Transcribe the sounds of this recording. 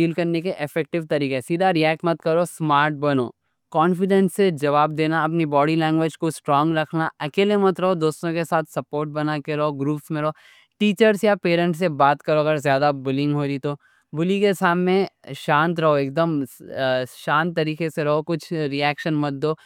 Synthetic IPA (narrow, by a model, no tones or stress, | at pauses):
iːlkɐɾnekeʔɪfɛːk̚ʈɪʋt̪ɐɾiːkesiːd̪ʱaɾiɛːk̚ʈmɐt̪̚kɐɾosmaːɾʈ̚bɐno̰ː | kɔːnfɪɖɛ̃nsːed͡ʒɐʋaːb̚d̪eːnaɐp̬nibɔːɖilɛ̃ːŋɡʋed͡ʒkosʈɾɔːŋɡɾɐkʰnaɐkeːlemɐt̪ɾɐɦod̪oːst̪õkesaːt̪ʰsɐpoːɾʈ̚bɐnakeɾɐɦoɡɾuːpsmẽɾɐɦoː | ʈiːt͡ʃəɾsjapeːɾə̃ɳʈsebaːt̪kɐɾoɐɡəɾzjaːd̪abʊlɪ̃ŋɡɦoːɾit̪o | bʊlikesaːmnẽʃãːnt̪ɾɐɦoeːk̚d̪əm | ʃãːnt̪ːɐɾiːkeseɾɐɦokʊt͡ʃʰɾiɛːkʃənmɐt̪̚d̪oː